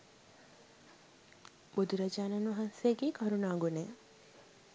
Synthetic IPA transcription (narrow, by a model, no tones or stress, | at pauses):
bud̪uɾɐd͡ʒaːnanʋɐɦansejəɡiːkɐɾunaːɡuneː